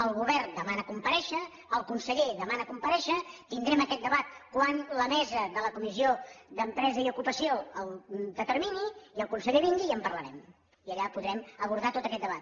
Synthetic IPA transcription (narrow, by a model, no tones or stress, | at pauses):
əlˠɣuβɛrnd̪əmanəkumpəɾɛʃəː | lˠkunsəʎeðəmanəkumpəɾɛʃət̪ind̪ɾɛməkɛt̪̚d̪əβat̪̚kwanləmɛzəðələkumizioðəmpɾɛzəiukupəsioəlˠd̪ət̪əɾminiiəlˠkunsəʎeβiŋɡiːəmpərləɾɛm | iəʎapuðɾɛməβuɾð̞at̪ot̪əkɛt̪̚d̪əβat̪̚